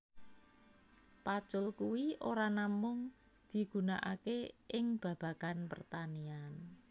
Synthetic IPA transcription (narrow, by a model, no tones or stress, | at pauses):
pḁt͡ʃʊlkuwiʔoɾanamʊŋ | d̪̥i̤ɡ̥ṳnaʔa̰keʔɪŋb̥ä̤b̥a̤kanpə̰rt̪anian